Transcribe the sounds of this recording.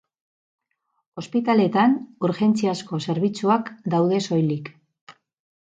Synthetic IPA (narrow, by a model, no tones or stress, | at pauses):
o̞spit̪ale̞t̪anuɾxe̞nt͡siasko̞se̞ɾβit͡suakd̪awðe̞so̞jlik